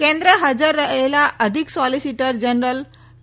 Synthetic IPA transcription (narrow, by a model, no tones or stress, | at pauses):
kẽnd̪ɾəɦəd͡zəɾːəɦelaʔəd̪ʱiksɔlisiʈəɾd͡ʑənɾəl